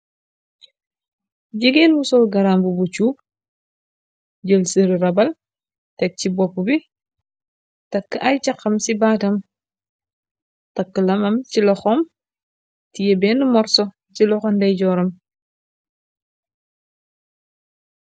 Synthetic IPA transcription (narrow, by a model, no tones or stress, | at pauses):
ɟiɡɛːnwusɔlɡɐɾaːmbubut͡ʃuːp̚ | ɟəlsəɾiɾɐbɐl | tɛk̚cibɔpːubi | tɐkːʔɐjt͡ʃɐqːɐmsibaːtɐm | tɐkːəlɐmɐmcilɔxɔm | tijɛbɛːnumɔɾsɔ | t͡ʃilɔxɔndɛjɟɔːɾɐm